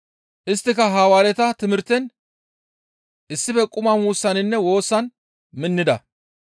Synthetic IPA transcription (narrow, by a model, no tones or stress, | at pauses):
ʔɪst̪ːɪkɐɦaːwaːɾɛt̪ɐt̪ɪmɪɾt̪ɛn | ʔɪsːɪfɛkʼʊmɐmuːsːɐnɪnːɛwo̞ːsːɐn | mɪnːɪd̪ɐ